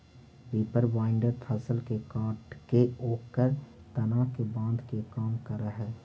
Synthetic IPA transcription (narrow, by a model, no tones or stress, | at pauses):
ʋeːpəɾʋaːɪɳɖəɾt̪ʰəsəlkekaːʈkeoːkkəɾ | t̪ɐnaːkebãːnd̪ʱkekaːmkəɾəɦɛː